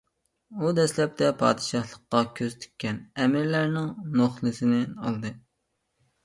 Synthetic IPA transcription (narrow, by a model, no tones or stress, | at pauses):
ud̪ɛslɛp̚t̪ʰɛpʰɑ̰ːd̪ɨʃɑhlˠəqːɑkʲʰøzt̪ʰy̥kʲːɛnɛmɪɾlæɾnɪŋnoχlˠɨsɪnɪɑlˠd̪ɨ